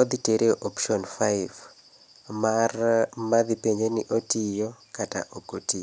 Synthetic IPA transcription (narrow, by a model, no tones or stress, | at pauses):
ɔd̪iteɾeʔopʃɔnfajv | maðipeɲeniʔotijokata̰ʔoɡoti